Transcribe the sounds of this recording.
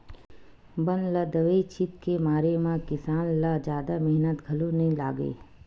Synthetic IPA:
bɐnlad̪ɐʋeit͡ʃʰɪt̪kemaːɾemãkɪsaːnlad͡ʒjaːd̪amɛɦnət̪ɡʱɐlonɐɦĩla̰ːɡḛː

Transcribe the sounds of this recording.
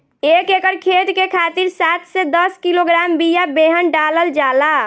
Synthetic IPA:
ekekəɾkʰet̪kekʰat̪iɾsat̪sɛd̪əskiloɡɾambijabeɦənɖaləld͡ʒala

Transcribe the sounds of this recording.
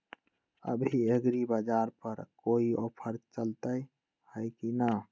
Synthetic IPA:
ə̰bʱieɡɾibəd͡ʒaɾpəɾkoio̰pʰəɾt͡ʃəlt̪əj | həjkina

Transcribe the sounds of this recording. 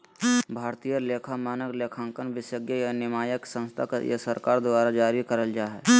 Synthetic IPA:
bʱaːɾt̪ijəleːkʰamaːnəkleːkʰãːŋkənʋɪsjəɡjəjanɪmaːjəksə̃nst̪ʰakjḛsəɾkaːɾd̪waːɾad͡ʒaːɾikəɾəld͡ʒaːɦɛ

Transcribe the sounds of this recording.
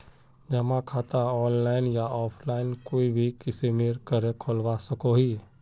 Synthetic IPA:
d͡ʒɐmãkʰaːt̪aɔːnlaːɪnjaɔːpʰlaːɪnkoːibʱikɪsemeːɾkəɾekʰolwasɐkoɦiː

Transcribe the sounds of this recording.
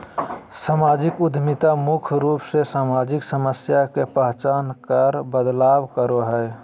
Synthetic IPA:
samaːd͡ʒɪkʊd̪ʱmit̪amʊkʰɾuːpsesaːmaːd͡ʒɪksəməsjakepəɦt͡ʃaːnkəɾbəd̪laːbkəɾoɦəe

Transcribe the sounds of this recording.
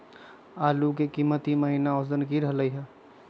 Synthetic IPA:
aːluk̬ekimːət̪iməɦinaosd̪ənkiɾəɦləiɦɛ

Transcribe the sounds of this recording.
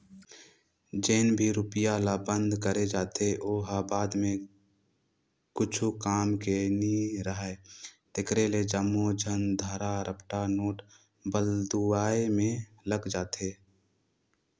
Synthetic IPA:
d͡ʒeːnbʱiɾʊpɪjalabə̃nd̪ʱkəɾed͡ʒaːt̪eʔoːɦabaːd̪mẽ | kʊt͡ʃʰukaːmkeniɾəɦɛt̪ɪkɾeled͡ʒəmːod͡ʒʱənd̪ʱəɾaɾʔəpʈanoːʈ | bəld̪uaːemẽ | ləɡd͡ʒaːt̪ʰeː

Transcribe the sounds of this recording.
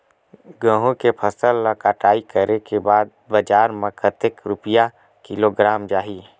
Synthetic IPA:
ɡə̃ɦõkepʰəsəlːakaʈaːikəɾʔekebaːd̪̚ | bəd͡ʒaːɾmẽkʰət̪ekɾʊpija | kɪloɡɾaːmd͡ʒaːɦiː

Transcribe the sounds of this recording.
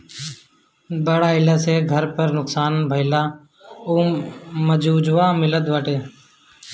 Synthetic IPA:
bəɽaːɪlaːseːɡʱəɾpəɾnʊksaːnbʱəɪlaː | oːməd͡ʒuːd͡ʒʋaːmɪləd̪ʋaʈeː

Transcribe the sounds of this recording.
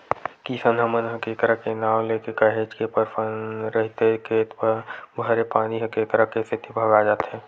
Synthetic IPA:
kisənd̪əmənɦəkeːkɾakenaːwleːkekəɦet͡ʃkepəɾpʰənɾəɦt̪ekeːt̪pəbʱəɾepaːniɦəkeːkɾakest̪ʰit̪ibʱəɡad͡ʒaːt̪ɦɛː

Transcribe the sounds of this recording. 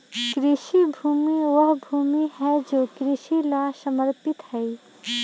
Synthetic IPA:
kɾɪʃibʱuːmiʋəɦbʱuːmiɦɛd͡ʒoːkɾɪʃilasəməɾpɪt̪ɦɛi

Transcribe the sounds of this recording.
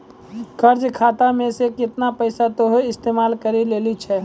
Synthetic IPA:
kəɾd͡ʒkʰaːt̪amẽsekɪt̪napəɪsat̪oɦoɪst̪eːmaːlkəɾileːlit͡ʃʰɛ

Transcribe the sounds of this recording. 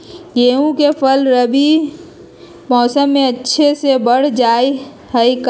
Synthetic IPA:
ɡeːũkepʰəlɾəbi | mɔːsəmːẽətːʃʰesebəɽ̤d͡ʒaːi | həik

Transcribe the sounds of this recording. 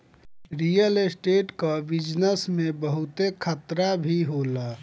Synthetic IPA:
ɾijəlesʈeːʈkabɪd͡ʒnəsmẽbəɦʊt̪ekʰət̪ɾabʱiɦola

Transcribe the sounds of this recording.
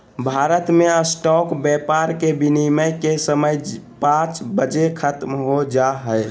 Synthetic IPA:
bʱaɾət̪meəsʈɔkbjɛpaɾkebiniməkesəməjpãt͡ʃbəd͡ʒekʰət̪mɦod͡ʒaɦəj

